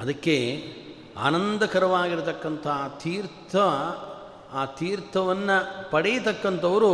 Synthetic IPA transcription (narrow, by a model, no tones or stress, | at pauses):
ɐd̪ɐkːe | a̰ːnɐnd̪ɐkɐɾɐʋaːɡiɾut̪ɐkːɐnt̪ʰɐt̪ʰiːɾt̪ʰɐ | aːt̪iːɾt̪ʰɐʋɐnːɐpɐɽɛjɐt̪ɐkːɐnt̪ɐʋɐɾu